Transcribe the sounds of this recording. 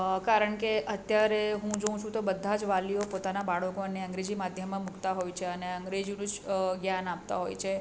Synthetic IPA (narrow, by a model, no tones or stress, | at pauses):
kaɾəɳkeʔət̪jaɾeɦũd͡ʒəũt͡ʃʰũt̪obəd̪ʱːad͡ʒʋaliopot̪anabaɭəkoənːeə̃ŋɡɾed͡ʒimad̪ʱjəmːãmukt̪aɦojt͡ʃʰeəneəŋɡɾed͡ʒinũd͡ʒɡjanap̚t̪a̰ɦo̰jt͡ʃʰe